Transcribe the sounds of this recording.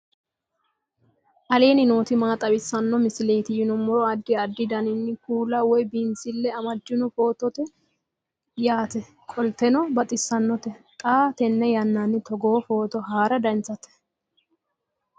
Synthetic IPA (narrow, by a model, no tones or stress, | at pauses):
ʔɐle̞ːnɪnoːt̪ɪmaːt̪ʼɐbɪsːɐnːɔmɪsɪle̞ːt̪ɪjɪnɔmɔɾɔɐd̪ːɪɐd̪ːɪd̪ɐnɪnːɪkuːlɐwɔjbɪnsɪlːɛɐmɐd͡ʒːɪnɔfoːt̪ɔt̪ɛ | jaːt̪ɛ | kʼɔlt̪ɛnɔbɐt̪ʼɪsːɐnːɔt̪ɛt̪ʼaːt̪ɛnːɛjɐnːanːɪt̪ɔɡoːfo̞ːt̪ɔɦaːɾɐd̪ɐnt͡sːɐt̪ɛ̥